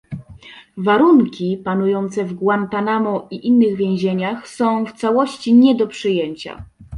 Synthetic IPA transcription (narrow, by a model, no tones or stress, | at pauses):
vaɾuŋkʲipanujɔnt̪sɛvɡwant̪anamɔʔiʔinːɘɣvʲjɛ̃w̃ʑeɲaxsɔ̃w̃ft̪sawɔɕt͡ɕiɲɛd̪ɔpʂɘjeɲt͡ɕa̰